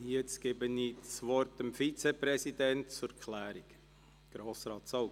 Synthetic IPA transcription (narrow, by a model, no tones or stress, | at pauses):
jɛt͡sɡ̥ebənisʋɔɾtəmfit͡sɛpɾɛsid̪ɛntt͡sukʰlæːɾik | ɡ̥ɾoːsɾɑːtsɔw